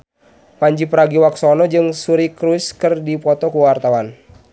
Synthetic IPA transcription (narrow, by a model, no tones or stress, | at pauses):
paɲd͡ʒipəɾaɡiwaksɔnɔd͡ʒɨŋsuɾikɾuskɨrdipɔt̪ɔkuwart̪awan